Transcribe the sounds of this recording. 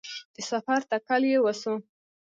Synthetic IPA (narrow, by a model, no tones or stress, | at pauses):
d̪̥əsafaɾt̪akaljewasu